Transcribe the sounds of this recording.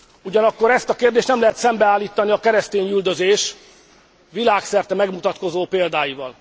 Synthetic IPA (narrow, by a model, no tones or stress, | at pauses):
uɟɒnɒkːo̞ɾɛst̪ɒkeːrd̪eːʃt̪nɛmlɛɦɛt̪sɛmbɛaːlːiːt̪ːɒniɒkɛɾɛst̪eːɲyld̪øzeːʃ | vilaːksɛrt̪ɛmɛɡmut̪ɒt̪ko̞zoːpeːld̪aːjivɒl